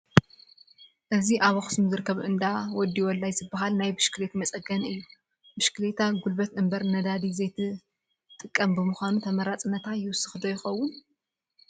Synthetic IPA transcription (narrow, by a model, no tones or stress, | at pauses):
ʔɨziʔaβɐxɨ̥smzɨɾɨkːɐβʔɨnd̪awɔd̪ːiwɔlːajzɨbɐɦalnajbɨʃkɨlet̪mɐt͡sʼɐɡɐnɨjːu | bɨʃkɨlet̪ʰaɡulbɐt̪ʔɨmbɐɾnɐd̪ad̪izɐjt̪ʰɨ | t̪ʼɨkʼːɐmbɨmuxʷanut̪ʰɐmɐɾat͡sʼɨnːɐt̪ʰajɪwʊsɨxɨd̪ɐjɪxɐwːʊn